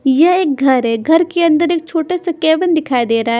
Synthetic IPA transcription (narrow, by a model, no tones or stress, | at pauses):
jɐeːk̚ɡʱɐɾɦɛɡʱɐɾkeɐ̃nd̪əɾeːk̚t͡ʃʰoːʈesekeːʋənd̪ɪkʰaːed̪eːɾaɦɛ